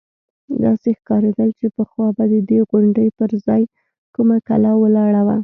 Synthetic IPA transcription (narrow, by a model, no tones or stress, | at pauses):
d̪ɑ̰sexkɑɾed̪ajt͡ʃepəxwɑbad̪əd̪eɣʊɳɖəjpəɾzɑj | kumaka̰lawəlɑɽawa